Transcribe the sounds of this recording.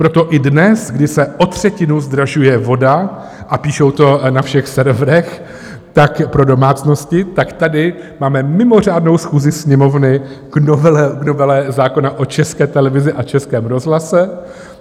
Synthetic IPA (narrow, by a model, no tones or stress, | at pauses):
pɾo̞t̪o̞ʔɪdnɛsɡdɪsɛʔot̪r̝̥ɛcɪnuzd̪ɾaʒujɛvo̞da | ʔapiːʃo̞wt̪o̞nafʃɛxsɛɾvɾɛx | t̪akpɾo̞do̞maːt͡sno̞scɪt̪akt̪adɪ | maːmɛmɪmo̞r̝aːdno̞wsxuːzɪsɲɛmo̞vnɪɡnovɛlknovɛlɛzaːko̞naʔo̞t͡ʃɛskɛːt̪ɛlɛvɪzɪʔat͡ʃɛskɛːmɾo̞zɦlasɛ